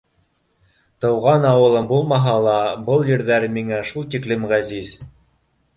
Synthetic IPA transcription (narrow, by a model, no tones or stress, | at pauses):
t̪ɤ̆wʁɑnɑwɤ̆lˠɤmbulˠmɑɦɑlˠɑbɤlˠjɘɾðæɾmiŋæʃulˠt̪iklɘmʁæziz